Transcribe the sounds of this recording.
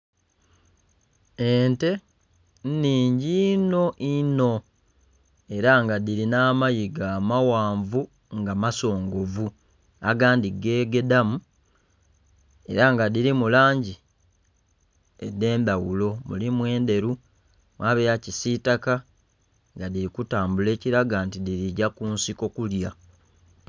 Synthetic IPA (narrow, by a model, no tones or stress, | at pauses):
ente̞ | nniːɲɟino̞ʔino̞ | e̞ɾaŋɡadiɾinaːmajiɡaːmawaːɱvu | ŋɡamaso̞ːŋɡo̞vu | aɡaːndiɡe̞ːɡe̞damu | e̞̰ɾaŋɡadiɾimulaːɲɟi | edːe̞ːmbawulo̞mṵlimwe̞ːnde̞ɾu | mwaːβejacisitaka | ŋɡadiɾikutaːmbule̞ːciɾaɡantidiɾiɟakunsiko̞kulja